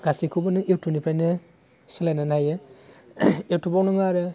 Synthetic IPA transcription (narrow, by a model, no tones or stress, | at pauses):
ɡ̥asikʰubɯnɯewtʰunipʰɾajnɯ | sɯlajnanajɯ | ewtʰubawnɯŋaɾɯ